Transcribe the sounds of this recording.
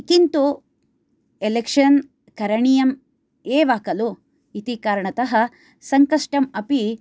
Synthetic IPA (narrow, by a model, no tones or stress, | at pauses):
kint̪u | elekʂɐn | kɐɾɐɳijɐm | eːʋaːkɐlu | it̪ikaːɾɐɳɐt̪ɐɦɐ | sɐŋkɐʂʈɐmɐpi